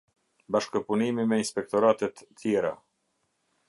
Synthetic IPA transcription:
baʃkəpunimimɛinspɛk̚t̪ɔɾat̪ɛt̪ːjɛɾa

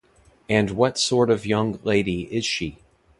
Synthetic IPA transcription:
ɨ̃nwʌtsɔɹɾʌvjʌ̃ŋleɪɾiɪz̥ʃi

